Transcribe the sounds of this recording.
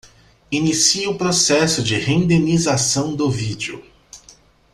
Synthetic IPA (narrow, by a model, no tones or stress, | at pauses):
inisiʊpɾosɛsʊd͡ʒɪhẽĩnd̪ẽnizasɐ̃w̃d̪ʊvid͡ʒʊ̰